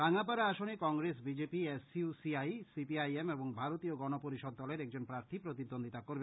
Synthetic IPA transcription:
kaŋapaɾaaʃonekɔŋɡɾesbid͡ʑepiesusiajsipiajemeboŋbʱaɾot̪ioɡɔnopoɾiʃɔd̪̚ːɔleɾɛk̚d͡ʑonpɾaɾt̪ʰipɾot̪id̪ːond̪ʱit̪akoɾbe

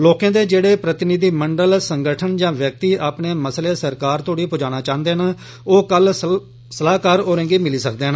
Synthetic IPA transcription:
loːkãːd̪eːd͡ʒeːɽeːpɾət̪ɪnɪd̪iːməɳɖəlsəŋɡəʈʰənd͡ʒãːʋjək̚t̪iːʔaːpɳeːməsleːsəɾkaːɾt̪oːɽiːpʊd͡ʒaːnaːt͡ʃãːənd̪eːɦənː | oːkəl | səlaːkaːɾoːɾẽːŋɡiːmɪliːsək̚d̪eːɦn

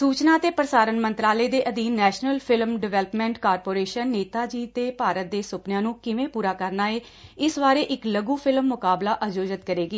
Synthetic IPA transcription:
suːt͡ʃnaːt̪eːpəɾəsaːɾənmənt̪ɾaːleːd̪eːʔəd̪iːɛːʃnəlpʰɪlmɖɪʋɛːləpmɛ̃ːɳʈkaːɾpoːɾeːʃənːeːt̪aːd͡ʒiːt̪eːpaːɾət̪̚d̪eːsʊpnjãːnũːkɪʋẽːpuːɾaːkəɾnaːeː | ɪsbaːɾeːʔɪkləɡũːpʰɪlmːʊkaːblaːʔəd͡ʒoːd͡ʒət̪kəɾeːɡiː

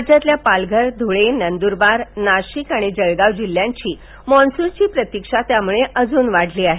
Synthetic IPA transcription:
d͡ʑat̪ljapalɡʱəɾd̪ʱuɭenənd̪uɾbaɾnaɕikaɽ̃id͡zəɭɡaʋd͡ʑil̤ːjãɲt͡ɕiː | mɔnsuɾt͡ɕiːpɾət̪ikʂat̪jamuɭeʔəd͡zuːnʋaɽ̤ʱliːaɦe

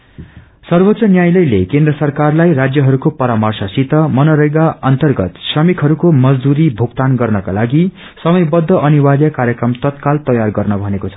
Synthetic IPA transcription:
sʌrbot̪sʌnjajlʌjlekend̪rʌsʌrkarlajrad͡zjʌɦʌɾukopʌɾamʌrsʌsit̪ʌmʌnʌɾʌjɡaʌnt̪ʌrɡʌt̪srʌmikʰɦʌɾukomʌd͡zd̪uɾibʱuɡt̪anɡʌrnʌkalaɡi | sʌmʌjbʌd̪ʱːʌʔʌniwad̪jʌkaɾjʌkɾʌmt̪ʌt̪kalt̪ʌjarɡʌrnʌbʱʌnekot͡sʰʌ̥

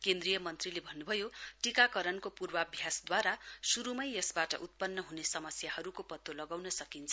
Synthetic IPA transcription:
kend̪rijʌmʌnt̪rilebʱʌnːubʱʌjoʈikakʌɾʌnkopurbʌbʱjasd̪waɾasuɾumʌjʌsbaʈʌ̰ʔut̪̚pʌnːʌɦunesʌmʌsjahʌɾukopʌt̪ːolʌɡawnʌsʌkint͡sʰʌ

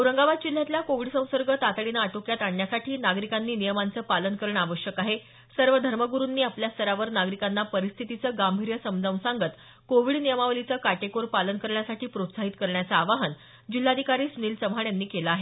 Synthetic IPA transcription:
əɾəŋɡaʋad̪̚d͡ʑil̤ːjat̪ilakoʋiɽsə̃w̃səɾɡət̪at̪ɽinaːʈokjat̪aɳːjasaʈʰiːnaɡɾikanːiːnijəmant͡səːpalənkəɾəɳaʋəɕjəkaɦe | səɾʋəd̪ʱəɾməɡuɾunːiːapljast̪ʰəɾaʋəɾnaɡɾikanːapəɾist̪ʰit̪it͡səːɡambʱiɾjəsəmd͡zãw̃saŋɡət̪ | koʋiɽnijəmaʋlit͡səːkaʈekoɾpalənkəɾɳjasaʈʰiːpɾot̪saɦit̪kəɾɳjat͡saːʋaɦən | d͡ʑil̤ːad̪ʱikaɾiːsuniːlt͡səmɦaɳjanːiːkelaaɦe

